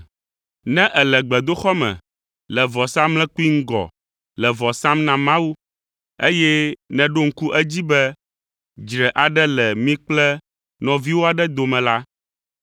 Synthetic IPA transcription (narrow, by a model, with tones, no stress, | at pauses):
nɛ̃˦ʔɛ˨lɛ˨ɡ͡bɛ˨d̪o˦xɔ˦mɛ̰̃˨ | lɛ˨vɔ˨sã˦mlɛ̃˦ku˦i˦ŋ̩˦ɡɔ̰˨ | lɛ˨vɔ˨sã˦mnã˨mã˦wu˦ | e˦jɛ˦nɛ̃˨ɖo˦ŋ̩˦ku˦ʔɛ˦d͡ʑi˦bɛ˦ | d͡ʒɾɛ˨ʔa˨ɖɛ˦lɛ˨mĩ˦k͡plɛ˦ | nɔ̃˨vi˦wo˦a˨ɖɛ˦d̪o˨mɛ̃˨la˦